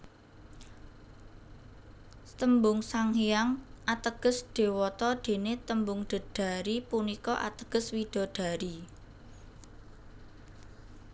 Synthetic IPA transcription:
t̪əmbʊŋsaŋɦijaŋʔat̪əɡ̥ə̤sɖ̪̥e̤wɔt̪ɔɖ̪̥e̤net̪əmbʊŋɖ̪̥ə̤ɖ̥ä̤ɾipunikɔʔa̰t̪əɡ̥ə̤swiɖ̪̥ɔ̤ɖ̥ä̤ɾi

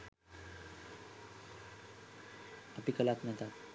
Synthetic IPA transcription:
əpikəlat̪net̪at̪̚

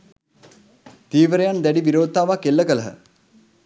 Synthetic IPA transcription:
t̪iːʋəɾejand̪æɖiʋiɾoːd̪̚aːʋakelːəkələɦə̰

